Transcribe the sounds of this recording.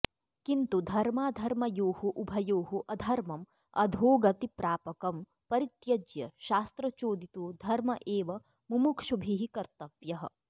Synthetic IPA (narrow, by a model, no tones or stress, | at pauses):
kint̪ud̪ʱɐɾmaːd̪ʱɐɾmɐjoːɦuʔubʱɐjoːɦuʔɐd̪ʱɐɾmɐm | ɐ̰d̪ʱoːɡɐt̪ipɾaːpɐkɐm | pɐɾit̪jɐd͡ʒjɐʃaːst̪ɾɐt͡ʃoːd̪it̪uːd̪ʱɐɾmɐʔeːʋɐ | mumukʃubʱiɦikɐɾt̪ɐʋjɐɦɐ̰̆